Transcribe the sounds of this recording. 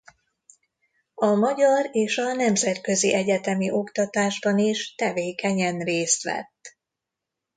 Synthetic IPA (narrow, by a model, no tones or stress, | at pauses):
ɒmɒɟɒreːʃɒnɛmzɛt̪kø̞ziʔɛɟɛt̪ɛmiʔo̞kt̪ɒt̪aːʒbɒniʃt̪ɛveːkɛɲɛnreːst̪ʋɛ̰t̪ː